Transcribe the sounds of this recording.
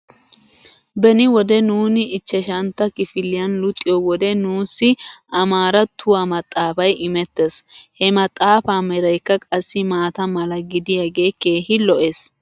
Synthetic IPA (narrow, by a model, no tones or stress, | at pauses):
bɛnɪwɔd̪ɛnuːnɪɪt͡ʃːɛʃɐnt̪ːɐkɪfɪlːɪjɐnlʊt̪ʼːɪjɔwɔd̪ɛnuːsːɪɐmaːɾɐt̪ʰːʊwamɐt̪ʼːaːfɐjɪmɛt̪ːeshɛmɐt̪ʼːaːfaːmɛɾɐjkːɐkʼɐsːɪmaːt̪ɐmɐlɐɡɪd̪ɪjɐɡe̞ːke̞ːhɪlɔʔes